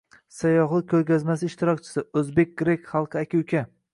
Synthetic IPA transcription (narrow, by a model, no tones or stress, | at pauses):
sajɒχlˠɨkʰʲːɵɾkʲazmasɪʃt̪ɪɾɒk̚ʲt͡ʃʰɪ̥sɪɵzbe̞k̚ʲɡ̥ɾekʲχɑlˠqʰɨakʲawkʲʰa